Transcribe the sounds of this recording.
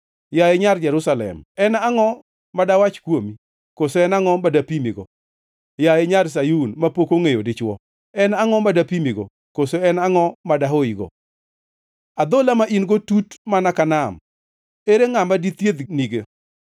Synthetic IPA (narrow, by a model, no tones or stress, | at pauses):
jajeɲard͡ʒɛɾʊsalɛ̰mɛnaŋɔ | madawat͡ʃkwomi | kosoɛnaŋɔmadapimiɡɔ̰ | jajeɲars̬ajunmapokoŋejodɪt͡ʃwɔ | ɛnaŋɔmadapimiɡɔ̰ | kosoɛnaŋɔmadaɦoiɡɔ̰ | ad̪olamaʔinɡotutmanakanam | eɾeŋamadit̪jed̪niɡe